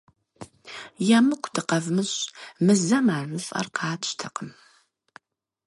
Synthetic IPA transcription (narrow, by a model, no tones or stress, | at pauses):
jamɨkʷʰdʰɨqɐvmɨɕʼmɨzɐmaːrɨfʼɐ̰rqɑːtʰʃtʰɐqəm